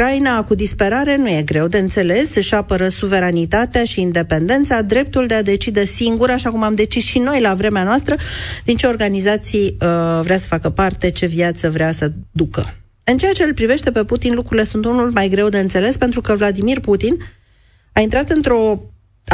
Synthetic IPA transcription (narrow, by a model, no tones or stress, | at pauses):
ɾainakud̪ispe̞ɾaɾe̞nuje̞ɡɾe̞wd̪e̞ɨnt̪se̞le̞sʃapəɾəsuve̞ɾanit̪at̪eaʃiːnd̪e̞pe̞nd̪e̞nt̪sad̪ɾe̞p̚t̪uld̪e̞ad̪e̞t͡ʃid̪e̞siŋɡuɾaʃakumamd̪e̞t͡ʃisʃino̞jlavɾe̞meanoast̪ɾəd̪̥int͡ʃe̞o̞rɡanizat̪sijəvɾeasə̥fakəpart̪e̞t͡ʃe̞vjat̪səvɾeasəd̪ukə̰ | ɨnt͡ʃe̞at͡ʃe̞lpɾive̞ʃt̪e̞pe̞put̪inlukɾuɾile̞sunt̪unulmajɡɾe̞wd̪e̞ɨnt̪se̞le̞spe̞nt̪ɾukəvlad̪imirput̪in | aint̪ɾat̪ɨnt̪ɾo̞